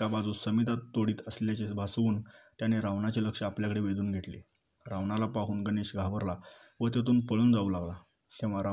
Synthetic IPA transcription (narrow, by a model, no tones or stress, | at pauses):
kabad͡zuːsəmit̪at̪ːoɽiːt̪əsljat͡ɕesbʱasʋuːnt̪janeɾaʋnat͡ɕeləkʂəapljakəɽeʋed̪uːnɡʱeʈ̪lḛ | ɾaʋnalapaɦuːnɡəneːɕɡʱaʋəɾla | ʋət̪̬jat̪uːnpəɭuːnd͡zauːlaɡla | k̪ĩʋaɾa